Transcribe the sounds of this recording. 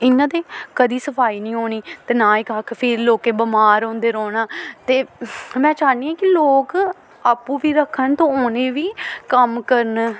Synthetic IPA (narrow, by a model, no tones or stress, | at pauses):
ɪnːãːd̪eːkəd̪iːsəpʰaːiːnĩːɦoːɳiːt̪eːnãːɪkəkʰpʰɪɾloːkeːbəmaːɾõːnd̪eːɾoːnaːt̪eːmɛ̃ːt͡ʃaːniːɛ̃ːkɪloːk | aːpːũːʋiːɾəkʰːənt̪õːoːneːʋiːkəmkəɾən